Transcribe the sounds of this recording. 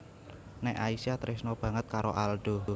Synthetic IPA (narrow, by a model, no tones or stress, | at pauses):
nɛʔaisijat̪ɾɪsnɔb̥ä̤ŋət̪̚kaɾo̰ʔalɖ̥o